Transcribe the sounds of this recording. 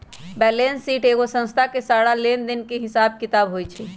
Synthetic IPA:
bɛlensːiʈeɡosə̃nst̪ʰakesaɽalend̪inkeɦisab̚kit̪abɦojt͡ʃʰɛ

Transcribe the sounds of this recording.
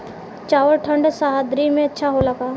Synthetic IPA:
t͡ʃaːʋəɾʈʰə̃ɳɖsaɦad̪ɾimẽɐtːʃʰaɦolɐkaː

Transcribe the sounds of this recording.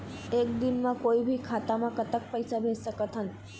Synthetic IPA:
ekd̪inmãkoibʱikʰat̪amãkət̪ək̚pəjsabʱessəkət̪ɦənt̪

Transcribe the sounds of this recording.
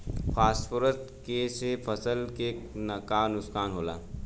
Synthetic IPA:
fʰasfəɾəst̪kesepʰəsəlkeknəkanukskaːnɦola̰

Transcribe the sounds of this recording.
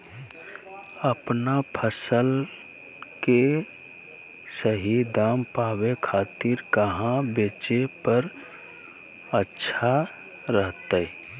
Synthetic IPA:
əpnapʰəsəl | ke | səɦid̪aːmpaːwekʰaːt̪ɪɾkəɦãbeːt͡ʃepəɾ | ətːʃʰa | ɾəɦt̪ə

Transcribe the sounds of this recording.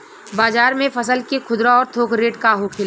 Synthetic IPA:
baːzaːɾmẽfɐsəlkekʰʊd̪ɾaɔːɾt̪ʰoːkɾeːʈkaɦokʰɪl

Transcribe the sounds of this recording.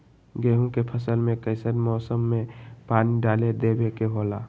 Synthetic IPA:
ɡeːɦũkepʰəsəlmẽkəɪsəɾmɔːsəmːẽpaːniɖaːled̪ebekeɦolaː

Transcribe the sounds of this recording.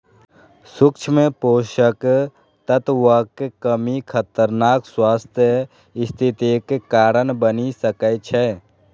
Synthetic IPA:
sʊkt͡ʃʰmẽpoːʃək | t̪ət̪wəkkəmikʰət̪əɾnaːkswaːst̪ʰjə | ɪst̪ʰɪt̪ekekːaːɾənbənisəkət͡ʃʰɛː

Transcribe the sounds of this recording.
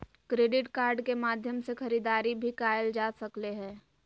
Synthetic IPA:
kɾeːɖɪʈkaːɾɖkemaːd̪ʱjəmsexɐɾiːd̪aːɾibʱikaːjəld͡ʒaːsɐkleɦɛ̃ː

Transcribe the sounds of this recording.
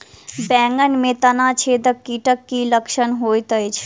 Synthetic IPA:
bɛ̃ːŋɡənmẽt̪ɐnat͡ʃʰeːd̪əkːiːʈəkːiləkʃənɦoːjt̪əjt͡ʃʰ

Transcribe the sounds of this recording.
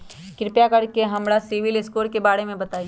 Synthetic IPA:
kɪɾpjakɐɾkeɦɐmɽasɪʋɪlɪskoːɾkebaːɽemẽbɐt̪aːi

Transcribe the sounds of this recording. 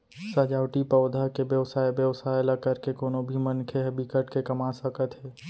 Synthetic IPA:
səd͡ʒaːwʈipəʊd̪ʱakebjəwsaːjbjəwsajləkəɾkekoːnobʱimənkʰeɦəbikəʈkekəmasəkət̪ɦɛː

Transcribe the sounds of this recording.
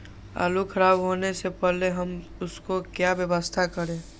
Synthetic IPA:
a̰ːlukʰɐɾaːbɦoːnesepɛɦleɦɐmʊskokjaːʋjəʋəst̪ʰakəɾẽː

